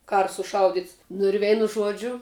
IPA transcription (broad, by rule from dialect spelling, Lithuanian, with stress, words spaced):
ˈkɑːrɐ sʊˈʃɐʊdʲɪts nʊ ɪr ˈʋʲɛɪnʊ ˈʒuɔd͡ʒʲʊ